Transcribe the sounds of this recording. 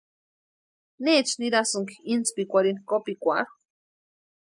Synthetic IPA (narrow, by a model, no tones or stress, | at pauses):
net͡ʃniɾasoŋkint͡spikʷaɾinkopikʷa̰ɾ